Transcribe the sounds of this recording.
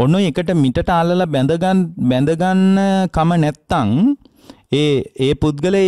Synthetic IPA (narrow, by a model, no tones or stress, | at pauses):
onːoekəʈəmiʈəʈəaːləlabɛnd̪əɡanbɛnd̪əɡanːəkamənɛt̪ːaŋ | eːeːput̪̚ɡələ